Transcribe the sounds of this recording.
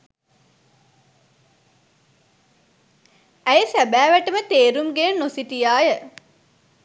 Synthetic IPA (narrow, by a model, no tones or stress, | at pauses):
æjəsæbæːʋæʈəmət̪eːɾumɡeənosiʈijaːjə